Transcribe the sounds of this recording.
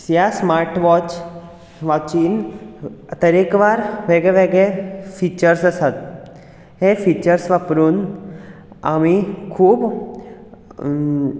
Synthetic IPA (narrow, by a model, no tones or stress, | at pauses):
jasmaɾʈʋɔt͡ɕ | ʋat͡ɕiːn | t̪əɾekʋaɾʋeɡɭɛʋeɡɭefit͡ɕəɾsəsat̪ | ɦefit͡ɕəɾsʋapɾuːn | a̰mikʰuːb